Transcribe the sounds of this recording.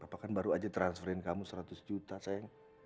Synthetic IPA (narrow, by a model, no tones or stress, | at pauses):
apakanbaɾuad͡ʒat̪ɾansfəɾɛnkamusəɾat̪ʊsd͡ʒut̪asajaŋ